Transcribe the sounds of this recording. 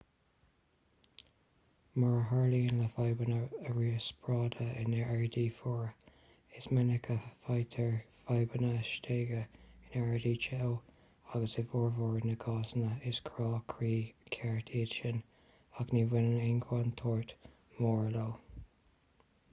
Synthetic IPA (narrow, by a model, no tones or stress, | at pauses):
maɹəɦaɹliːənləfajbənəːɹiːəspɹɑːdəɪnɛɛɹdiːfɔːɹ | ɪsmɪnɪkʰəfajt̪ʰəɹfajbənəʃtʰeːɡəɪnɛɹdiːt͡ʃʰɛw | aɡəsɪvɔːɹvɔːɹnəɡʰɑːzənəɪskʰɹɔːkʰɹiːkʰɛɹtʰiːʃən | aɡniːvɪnənɪnɡʰwant̪ʰɔːɹt̪ | mɔːɹloː